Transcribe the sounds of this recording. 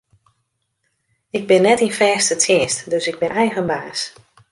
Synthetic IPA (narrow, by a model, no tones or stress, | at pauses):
ɪɡ̚bɪnːɛtinfɛːstətʰɪːstdøsɪɡ̚bɪnɛjɣənbaːs